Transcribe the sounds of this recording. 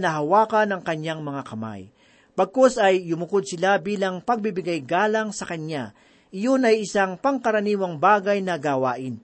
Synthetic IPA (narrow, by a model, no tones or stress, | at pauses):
nɐɦɐwaːkɐnɐŋkɐɲːaŋmɐŋakɐma̰j | pɐɡ̚kosɐjlʊmʊkod̪̚sɪlabiːlaŋpɐɡ̚bɪbɪɡajɡaːlaŋsɐkɐɲa | ʔɪjonɐjʔɪsaŋpɐŋkɐɾɐniːwɐŋbaːɡajnɐɡawaːʔɪn